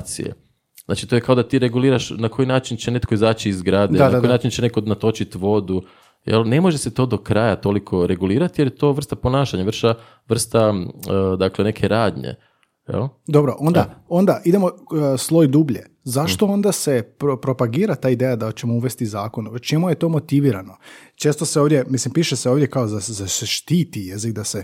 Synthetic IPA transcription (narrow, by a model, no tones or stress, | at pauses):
sḭḛ | zna̰ːt͡ʃit̪o̞jekao̞d̪at̪iːɾeɡuliːɾaʃnakʰo̞jinaːt͡ʃint͡ɕe̞ne̞t̪ko̞izaːt͡ɕiizɡɾaːd̪eaakaojinaːt͡ʃint͡ɕene̞ko̞nat̪o̞t͡ʃit̪ʋo̞d̪u | jḛlne̞mo̞ʒese̞t̪o̞ːd̪o̞kɾaːjat̪o̞likʰo̞ɾe̞ɡuliːɾat̪ije̞ljet̪o̞ːʋr̩st̪apo̞naːʃaɲaʋr̩ʃa | ʋr̩st̪a | d̪aklene̞kʰe̞ɾaːd̪ɲḛ | jḛld̪o̞bɾoʔo̞nd̪ao̞nd̪aʔid̪e̞mo̞slˠo̞jd̪uːbʎe | zaʃt̪o̞o̞nd̪ase̞pɾopɾo̞paɡiːɾat̪aːid̪ejad̪at͡ɕe̞mouʋe̞st̪izaːko̞not͡ʃe̞muje̞t̪o̞ːmo̞t̪iʋiːɾano̞t͡ʃe̞ːst̪o̞seoʋd̪ʲjemislimpiːʃeseo̞ːʋd̪ʲjekaozazaseʃt̪iːt̪ijezik̚d̪ase